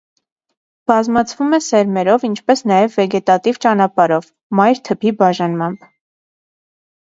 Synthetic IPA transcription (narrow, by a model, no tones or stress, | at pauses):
b̥ɑzmɑt͡sʰvumɛsɛɾmɛɾɔvint͡ʃʰpɛsnɑjɛvːɛɡɛt̪ɑt̪ivt͡ʃɑnɑpɑɾɔv | mɑjɾt̪ʰəpʰibɑʒɑnmɑmb̥